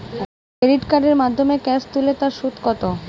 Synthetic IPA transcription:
kɾeɾiʈkaɖeɾmad̪ʱːomekɛst̪ulet̪aɾʃut̪kɔt̪o

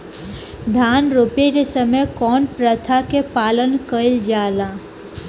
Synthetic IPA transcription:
d̪ʱaːnɾoːpeɾesəməjkɔːnpɾət̪ʰakepaːlənkəɪld͡ʒaːlaː

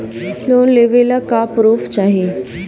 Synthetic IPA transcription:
loːnleʋelakapɾoft͡ɕaɦe

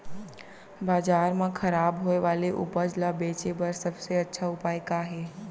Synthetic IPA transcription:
baːzaːɾmãkʰɐɾaːbɦoːeʋaːleʔʊ̰pəd͡ʑlabeːt͡ɕebɐɾsɐbseɐtːʃʰaʊpaːekaːɦeː

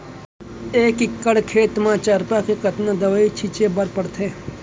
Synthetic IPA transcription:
eːkɪkːəɽkʰeːt̪mãt͡ʃəɾpakekət̪nad̪əʋəit͡ʃʰit͡ʃebəɾpəɽt̪ʰeː

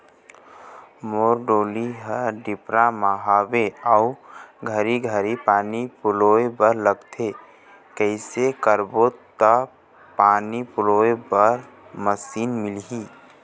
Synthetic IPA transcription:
moːɾɖoːliɦəɾɖɪpɾamaɦaːbeauɡʱəɾiɡʱəɾipaːnipʊloebəɾləɡt̪ʰe | kəɪsekəɾbot̪ə | paːnipʊloebəɾ | məsiːnmɪlɦiː

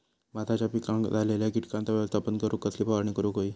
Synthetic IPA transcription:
mat̪ʰat͡ɕapikãŋɡd͡zʱaleljakiʈkãnt̪əʋjaʋəst̪ʰapənkəɾuːkəsliːpaʋəɾɳnikəɾukoiː

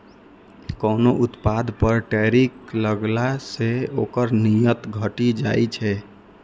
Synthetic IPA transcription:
kəːnoʔut̪pad̪ʱpəɾʈɛɾikləɡlaseokəɾnijət̪ɡʱəʈid͡ʒajt͡ʃʰɛ

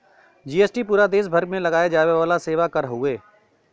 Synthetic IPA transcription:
d͡ʒiːeːsʈipuːɾad̪eːʃ̬bʱəɾɡmẽlɐɡaːjed͡ʒaːʋeʋaːlaseːʋakɐɾɦʊeː

